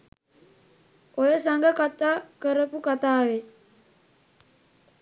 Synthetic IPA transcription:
ojəsaŋɡəkat̪akəɾəpukat̪awe

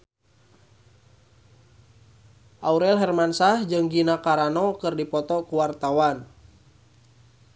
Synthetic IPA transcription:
ʔauɾɛlɦɛrmansahd͡ʒɨŋɡinakaɾanɔkɨrdipɔt̪ɔkuwart̪awan

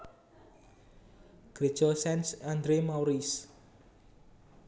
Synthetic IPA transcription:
ɡ̥ɾe̥t͡ʃɔsɛnsand̪ɾemawɾis

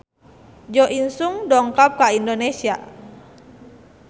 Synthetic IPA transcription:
d͡ʒɔʔinsuŋdɔŋkap̚kaindonesia̰

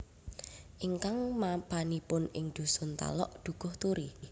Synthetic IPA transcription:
ʔiŋkaŋmapanipʊnɪ̰ŋd̪̥ṳsʊnt̪a̰lɔ̰ʔd̪̥ṳɡ̥ʊ̤ht̪uɾi

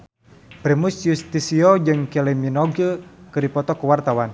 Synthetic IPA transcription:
pɾɛmusjust̪isiɔd͡ʒɨŋkɛlɛminɔɡəkɨɾipɔt̪ɔkuwart̪awan

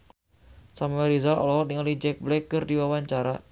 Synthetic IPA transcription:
samuɛɾizalɔ̰lɔɦɔdiŋalid͡ʒɛk̚blɛkːɨrdiwawaɲt͡ʃaɾa

